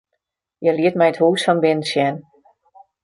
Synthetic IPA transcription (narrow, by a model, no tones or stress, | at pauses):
jɛliətmɛjəthuːsfɔnbɪnəsjɛn